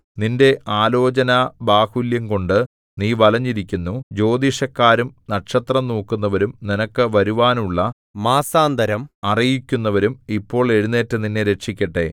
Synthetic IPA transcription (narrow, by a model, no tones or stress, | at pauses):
ninde̞ʔaːlo̞ːt͡ɕɐnɐbaːhuljɐmko̞ɳɖɨ | niːʋɐlɐɲːiɾikʲːunːud͡ʑo̞ːd̪iɕɐkːaːɾumnɐʈʂɐt̪rɐmnoːkːunːɐʋɐɾumninɐkːɨʋɐɾuʋaːnuɭːɐ | maːsaːnd̪ʱɐɾɐmɐrijikʲːunːɐʋɐɾumipːo̞ːɭe̞ɻunːe̞ːtːɨninːeɾe̞ʈʂikʲːɐʈːe̞̰